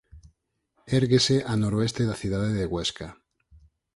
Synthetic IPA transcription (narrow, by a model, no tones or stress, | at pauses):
eɾɣeseʔanoɾoest̪eðaθjuðaðeðeɣweska